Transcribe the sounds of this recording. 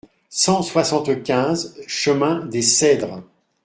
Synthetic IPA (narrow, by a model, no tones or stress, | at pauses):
sɑ̃swasɑ̃t̪kʲɛ̃zʃəmɛ̃d̪esɛd̪ʁ